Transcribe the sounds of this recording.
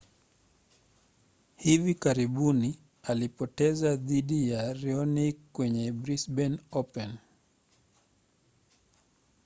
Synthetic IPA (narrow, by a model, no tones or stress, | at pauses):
hivikaɾiɓuni | alipɔtɛzaðiɗijaɾiɔnikwɛɲɛbɾisbɛnɔpɛn